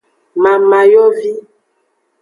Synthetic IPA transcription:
ma˨ma˨jɔ˦vi˦

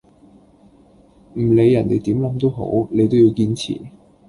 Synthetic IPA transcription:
m̩˨˩le˨˧jːɐ˨˩nt̪e˨jt̪iː˨˥mlɐ˨˥mt̪o˥wɦo̰˨˥wne˨˧jt̪o˥wji˧wkiː˧nt͡sʰḭː˨˩

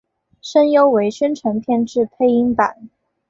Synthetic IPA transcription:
ʂə˥njo˥ʊwe˧˥ɪɕɛ˥nʈ͡ʂʰə˧˥ŋp̪ʰjɛ˥˧nʈ͡ʂɻ̩˥˩pʰe˥˧ɪi˥ŋpa̰˨˩˦n

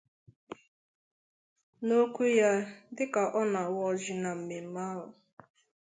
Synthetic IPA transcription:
no˦kʷu˦ja˦dɪ˦ka˨ʔɔ˦na˨wɔ˦d͡ʒɪ˨na˨m̩˨me˨m̩˦ma˦ɦʊ˨

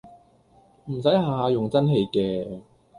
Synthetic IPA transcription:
m̩˨˩sɐ˨˥jɦaː˨aː˧jʊ˨˩ŋt͡sɐ˥nɦe˨˧jkɛː˧

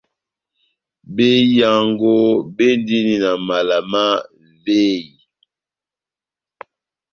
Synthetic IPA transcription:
be˦ja˨ŋɡo˦be˦ndi˦ni˦na˨ma˨la˨ma˦ | ve˦i˨

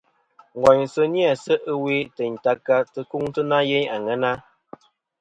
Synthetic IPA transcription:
ŋ˨ɡwa˨ɲsə˦ni˦a˨sə˦ʔə˦we˦tə˨ɲ˨ta˦kːa˦tə˦ku˦ŋtə˦na˦je˦ɲa˨ŋɛ˦na˦

